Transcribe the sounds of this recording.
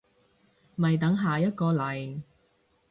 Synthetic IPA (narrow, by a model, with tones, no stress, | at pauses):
mɐ˨jt̪ɐ˨˥ŋɦaː˨jɐ˥t̚kɔː˧lɐ˨˩j